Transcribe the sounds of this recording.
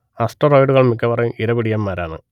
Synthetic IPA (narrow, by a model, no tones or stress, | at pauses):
asʈɐroːjɖuɣɐɭmikːɐpɐrɐjumiɾɐʋiɽijɐmːaːɾaːɳɨ̰